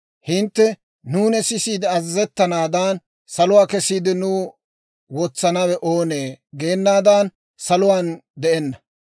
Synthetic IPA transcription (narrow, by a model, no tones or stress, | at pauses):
hɪnt̪ːɛ | nuːnɛsɪsiːd̪ɛɐzzɛt̪ːɐnaːd̪ɐːn | sɐlʊwaːkɛsiːd̪ɪnʊː | wɔt͡sːɐnɐwɛʔoːneːɡe̞ːnːaːd̪aːn | sɐlʊwaːnd̪ɛʔɛnːɐ